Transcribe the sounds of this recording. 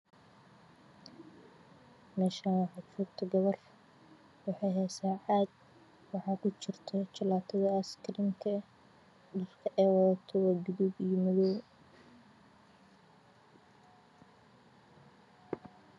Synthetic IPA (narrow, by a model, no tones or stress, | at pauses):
nɛʃaːnwɑħɑt͡ʃuːkt̪ʰɐɡɐβɐr | wɑħɑjɦɛsaːħaːd̪ | wɑħɑːkʰʊt͡ʃɪrt̪ʰɔt͡ʃɐlaːt̪ʰɐðɐɐskʰɾiːmkʰɐ | dʊlkʰɐʔɛːwɐðɐt̪ʰɔwaːdʊðuɡijɔmɐðɔw